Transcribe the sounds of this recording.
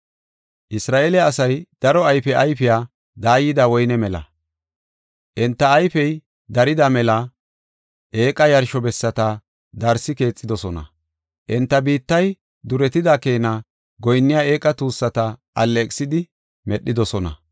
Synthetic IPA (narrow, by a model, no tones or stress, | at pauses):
ʔɪsɾaːʔeːlɛːsɐjd̪̥ɐɾɔɐjfɛʔɐjfɪjaː | d̪aːjːɪd̪ɐwɔjnɛmɛlɐ̰ | ʔɛnt̪ːɐːjfɛj | d̪ɐɾɪd̪ɐmɛlɐ | ʔe̞ːkʼɐjɐɾʃɔbɛsːɐt̪ɐ | d̪ɐɾsɪke̞ːt͡sʼːɪd̪ɔsɔnɐ̰ | ʔɛnt̪ːɐbiːt̪ːɐj | d̪ʊɾɛt̪ɪd̪ake̞ːnɐ | ɡɔjnːɪjaːe̞ːkʼːɐt̪uːsːɐt̪ɐʔɐlːɛːkʼsɪd̪ɪ | mɛɗːɪd̪ɔsɔnɐ̰